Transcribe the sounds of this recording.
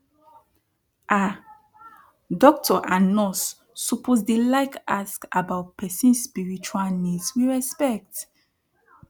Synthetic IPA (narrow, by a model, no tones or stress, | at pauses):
ʔa | dɔk̚tʰɔʔanɔsː | ɔpʰozdelaɪkaskabaʊt̚pʰɛsɛ̃nsspiɹit͡ʃualnidswiɹɛspɛk̚t